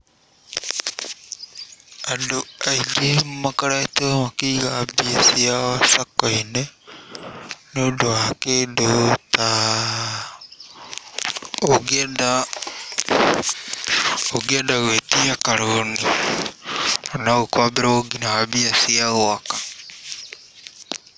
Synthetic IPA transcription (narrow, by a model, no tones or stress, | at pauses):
adoajd͡ʒemakaɾaet̪omakiɡabiasiaasakoine | nodoakedot̪a | oɡiada | oɡiadaɡet̪iakaɾoni | anaukoabeɾaoɡinaabiasiaoaka